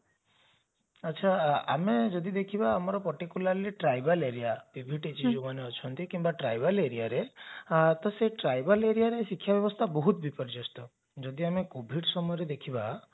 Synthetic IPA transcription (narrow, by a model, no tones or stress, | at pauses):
ətːʃʰaamed͡ʒɔd̪id̪ekʰibaːmɔɾɔpɔɾʈikulaɾliʈɾajbaleɾiapibʱiʈit͡ʃid͡ʒumaneɔt͡ʃʰɔnt̪ikimbaʈɾajbaleɾiaɾe | t̪ɔseʈɾajbaleɾijaɾesikʰːjabjɔbɔst̪ʰabɔɦut̪bipɔɾid͡ʒɔst̪ɔ | d͡ʒɔd̪iamekobʱiɽsɔmɔjɔɾed̪ekʰiba